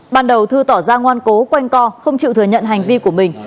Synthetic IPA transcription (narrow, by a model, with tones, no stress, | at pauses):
ɓaː˧˩nɗə˨˩wt̪ʰɨ˧t̪ɔ˧˩zaː˧ŋwaː˧nko˨˦kwa˧jŋ̟kɔ˧xə˧wŋ͡mt͡ɕḭ˧˨wt̪ɨ˨əɲə̰˧˨nɦa˨˩jŋ̟vi˧ku˧˩əmï˨˩ŋ̟